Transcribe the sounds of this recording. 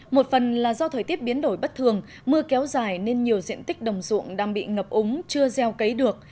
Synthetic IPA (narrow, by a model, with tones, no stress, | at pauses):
mo˨˩t̚fə˨˩nlaː˨˩zɔ˧t̪ʰəː˨˩jt̪i˦˥əp̚ɓi˨˦ənɗo˧˩jɓə˦˥t̚t̪ʰɨ˨˩əŋ | mɨ˧əkɛ˨˦wzaː˧˩jne˧nɲi˨˩əwzḭ˧˨ənt̪ï˦˥k̟̚ɗə˨˩wŋ͡mzṵ˧˨əŋɗaː˧ŋɓḭ˧˨ŋə˨˩p̚ʔʊ˨˦ŋ͡mt͡ɕɨ˧əzɛ˧wkə˨˦jɗɨ˨˩ək̚